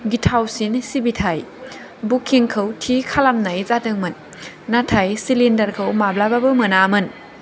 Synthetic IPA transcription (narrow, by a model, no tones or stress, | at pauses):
ɡitʰawsinsibitʰaj | bukʰːiŋkʰəwtʰikʰalamnajzatɯŋmɯnː | atʰajsilindɐɾkʰəwmablababɯmɯnamɯn